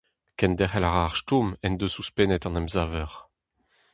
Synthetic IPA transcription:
kɛnd̪ɛχɛlaʁaːʁʃtumɛnd̪øsuspɛnɛt̪ɑ̃nɛmzaːvɛʁ

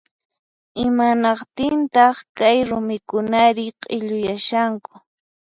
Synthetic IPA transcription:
ɪmanɑqt̪ɪnt̪ɑχkajɾʊmɪkʊnaɾɪqʼɪʎʊjaʃaŋkʊ̥

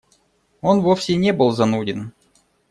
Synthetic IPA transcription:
o̞nvofʲsʲɪnʲebɨlˠzɐnudʲɪn

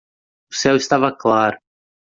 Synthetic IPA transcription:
ʊsɛwɪst̪avɐklaɾʊ

